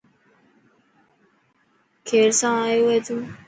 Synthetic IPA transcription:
kʰeːɾsãːaːjoːʋeːt̪ʰũː

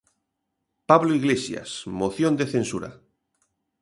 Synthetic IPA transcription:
paβloiɣlesja̰smoθjond̪eθensuɾa̰

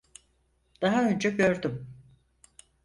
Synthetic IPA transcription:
d̪̥aɦaø̞nd͡ʒɛɟø̞ɾd̪ym

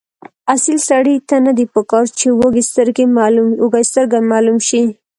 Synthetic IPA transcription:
asilsaɽit̪anad̪ipəkɑɾt͡ʃewoɡest̪əɾɡewɡast̪əɾɡamɑlumʃi

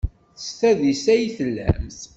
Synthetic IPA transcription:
θə̥st̪æðisæjθəlːæ̰mθ

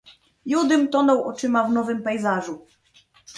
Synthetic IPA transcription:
jud̪ɘmt̪ɔnɔwʔɔt͡ʂɘmavnɔvɘmpɛjzaʐu

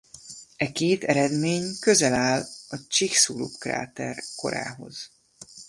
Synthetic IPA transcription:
ɛkeːt̪ɛɾɛd̪meːɲkø̞zɛlaːlɒt͡ʃiksulṵpkra̰ːt̪ɛrko̞̰ɾa̰ːɦo̞̰z̥

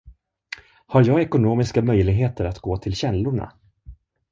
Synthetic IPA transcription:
haɾjɑːɡɛkʊnoːmɪskamœjlɪɡɦeːt̪əɾat̪ɡoːt̪ʰɪlɕɛlːʊɳa̰

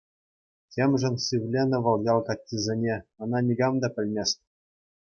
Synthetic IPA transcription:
tʲemʲʐɘ̆nsʲiʋʲlʲenʲɤ̆ʋɤ̆lˠjɑlˠkɑtʲːizʲenʲeɤ̆nɑnʲiɡɑmd̪ɑpʲɘ̆lʲmʲesʲt̪ʲ

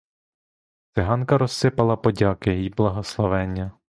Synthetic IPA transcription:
t̪sɪɦɑnkɐɾɔsːɪpɐlˠɐpɔdʲɑkɪjjiblˠɐɦɔslˠɔʋɛnʲːɐ

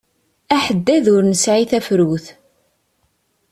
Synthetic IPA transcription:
æħəd̪ːæðʊɾnəsʕiθæfɾuθ

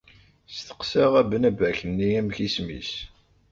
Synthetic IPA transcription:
st̪ə̥qsæʁæbənævæçənːiæmçismḭs

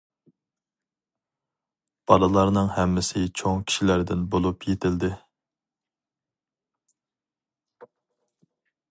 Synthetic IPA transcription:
b̥ɑlˠɨlˠɑɾnɨŋhɛmːɪsɪt͡ʃʰoŋkʲʰi̥ʃilæɾd̪ɪnbolˠupjet̪ʰɪld̪ɪ

